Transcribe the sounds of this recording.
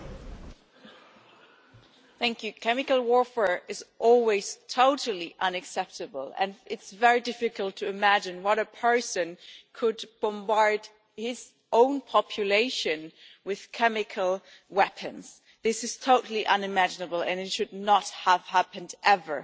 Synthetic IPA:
θæ̃ŋkjʉkʰɛmɨkəl̩ˠwɔɹfɛɹɨzʔɔlˠwiz̥tʰoʊɾl̩ˠiʔʌ̃nɨksɛp̚tɨbəlˠɨ̰̃nɪtsvɛɹidɪfɨkəl̩ˠtʰɨɨmæd͡ʒɨ̃nwʌɾɨpʰɜ˞sɨ̃nkʰɨd̚b̥ə̃mbɑɹd̥ | hɪz̥ | ʔõʊ̃npʰɑpʰjɨleɪʃɨ̃nwɪð̥kʰɛmɨkʰəl̩ˠ | wɛpʰɨ̃nz̥ | ðɪsɨz̥tʰoʊɾl̩ˠiʔʌ̃nɨmæd͡ʒɨnəbəl̩ˠɨ̃nɨtʃɨdⁿnət̚həv̥hæpɨ̃ndʔɛvə˞

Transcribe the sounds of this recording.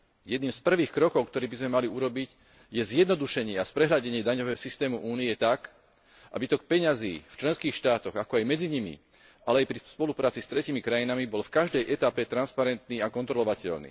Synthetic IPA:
jɛd̪niːmspr̩ʋiːxkɾɔkɔʊkt̪ɔɾiːbizmɛmaliuɾɔbiɟ | jɛzɪjɛd̪nɔd̪uʃɛɲɪɛaspɾɛɦʎaɟɛɲɪɛd̪aɲɔʋɛːɦɔsist̪ɛːmuʔuːniɛt̪ak | ʔa̰bit̪ɔkpɛɲaziːft͡ʃlɛnskiːxʃt̪aːt̪ɔɣakɔajmɛd͡ziɲimḭ | alɛajpɾispɔlupɾaːt͡sist̪ɾɛciːmikɾajinamibɔlfkaʒd̪ɛjʔɛt̪apɛt̪ɾanspaɾɛnt̪niːakɔnt̪ɾɔlɔʋacɛ̰lnḭː

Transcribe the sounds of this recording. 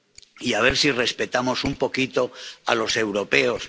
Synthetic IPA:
iaβ̞e̞ɾsire̞spe̞t̪amo̞sumpo̞kit̪o̞a̰lo̞se̞wɾo̞pe̞o̞s

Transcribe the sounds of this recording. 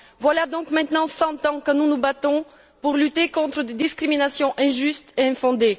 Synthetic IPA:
vwalad̪ɔ̃kmɛ̃t̪nɑ̃sɑ̃t̪ɑ̃kənunubat̪ɔ̃ | puʁlyt̪ekɔ̃t̪χəd̪ed̪iskχiminasjɔ̃ʔɛ̃ʒyst̪eɛ̃fɔ̃d̪e

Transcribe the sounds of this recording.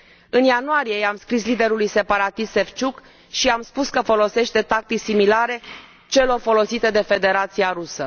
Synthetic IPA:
ɨnjanuaɾije̞amskɾislid̪e̞ɾulujse̞paɾat̪ist̪ːe̞ft͡ʃuk | ʃiamspuskəfo̞lo̞se̞ʃt̪e̞t̪ak̚t̪isimilaɾe̞ | t͡ʃe̞lo̞rfo̞lo̞sit̪e̞d̪e̞fe̞d̪e̞ɾat̪siaɾusə

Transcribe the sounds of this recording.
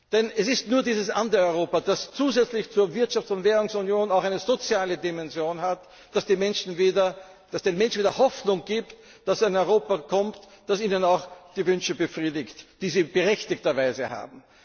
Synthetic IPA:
d̥ɛnɛsɪstnuːɐdiːzəsʔandɐɔʏʁoːpad̥ast͡suːzɛt͡slɪçt͡suːɐvɪɐtʃaftt͡sʊntvɛːʁʊŋsunjoːnaʊxæɪnəzot͡sjaːlədimɛnzjoːnhat | d̥asd̥iːmɛnʃn̩viːdɐ | d̥asd̥eːnmɛ̃nʃn̩viːdɐhɔfnʊŋɡ̥iːpt | d̥asɪnɔʏʁoːpakʰɔmt | d̥asiːnənaʊxd̥iːvʏnʃəbəfʁiːdɪktd̥iːziːb̥əʁɛçtɪktɐvaɪzəha̰ːbm̩

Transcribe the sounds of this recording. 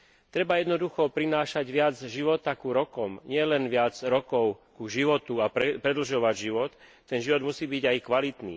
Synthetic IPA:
t̪ɾɛbajɛd̪nɔd̪uxɔpɾinaːʃaɟʋɪad͡zʒiʋɔt̪akuɾɔkɔmɲɪɛlɛnʋɪad͡zɾɔkɔʊkuʒiʋɔt̪uappɾɛd̪l̩ʒɔʋaɟʒiʋɔt̪ː | ɛnʒiʋɔd̪musiːbiɟajkʋalit̪nḭː

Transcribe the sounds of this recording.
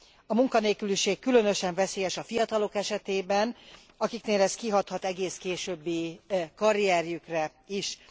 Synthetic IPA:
ɒmuŋkɒneːkyliʃeːkːylø̞nø̞ʃɛɱvɛseːjɛʃɒfijɒt̪ɒlo̞kɛʃɛt̪eːbɛn | ɒkikneːlɛskiɦɒt̪hɒt̪ɛɡeːskeːʃøːbːikɒɾijɛɾjykrɛ | iʃ

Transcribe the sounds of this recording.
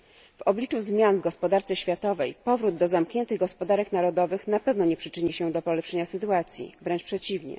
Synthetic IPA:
vɔblʲit͡ʂuzmʲjanvɡɔspɔd̪aɾt̪sɛɕfʲjat̪ɔvɛjpɔvɾud̪ːɔzamkɲɛnt̪ɘɣɡɔspɔd̪aɾɛkn̪aɾɔd̪ɔvɘxnapɛvnɔɲɛpʂɘt͡ʂɘɲiɕɛd̪ɔpɔlɛpʂɛɲasɘt̪uat̪sʲjḭvɾɛnt͡ʂpʂɛt͡ɕivɲɛ̰

